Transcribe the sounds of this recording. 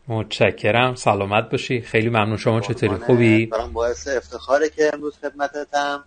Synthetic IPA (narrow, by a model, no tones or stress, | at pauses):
mot̪ʃæcʰːe̞ɾæmsælɒːmæt̪̚bɒːʃiːd̪xejliːmæmnuːnʃo̞mɒːt͡ʃʰe̞t̪ʰoːɾiːxubiːbæɾɔːmbɒːeseːft̪ʰe̞xɒːɾecʰeːmɾuːz̥xe̞d̪̚mæt̪ʰet̪ʰæm